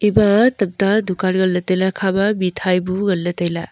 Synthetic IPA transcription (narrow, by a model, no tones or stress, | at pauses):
ibɐtɐp̚tadukaɾɡɐlːɐtejlakʰabɐbitʰajbuɡɐlːɐtejla